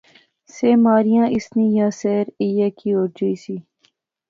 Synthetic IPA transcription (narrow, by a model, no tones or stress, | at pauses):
seːmaːɾɪjãːʔɪsnĩːjãːseːɾijeːkʰiːoːɾd͡ʒəiːsiː